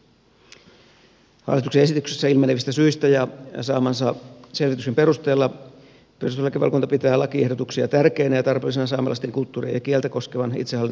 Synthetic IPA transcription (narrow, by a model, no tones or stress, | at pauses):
hɑ̰lːit̪ukseesit̪ykse̥sːæilmɑneʋist̪æsyist̪æjɑsɑːmɑnsɑselʋit̪yksempe̞rust̪e̞ːlːɑ | perust̪elːɑkeʋɑ̰lkunt̪ɑpit̪æːlɑkiehdot̪uksiɑt̪ærkeinæjɑt̪ɑrpeːlis̬enɑsɑːmɑlʔɑ̰st̪eŋkult̪ːuːrḭjɑkiælt̪æko̞skeʋɑnʔḭt̪sehɑlit̪